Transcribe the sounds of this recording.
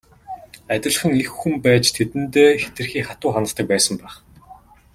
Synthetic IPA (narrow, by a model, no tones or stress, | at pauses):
æt̪ʲɪ̆ɮ̆χə̆ŋixːumpæːt͡ɕt̪ʰet̪ɘ̆nt̪eːxe̥t̪ɘ̆rxiːkχat̪ʊːχanə̆st̪ə̆k̚pæːsə̆mpæːχ